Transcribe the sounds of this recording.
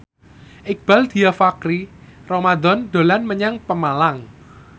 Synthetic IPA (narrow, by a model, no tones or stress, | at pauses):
ʔɪk̚b̥ald̪̥iafakɾiromad̪ɔnd̪o̤lanməɲaŋpəmalaŋ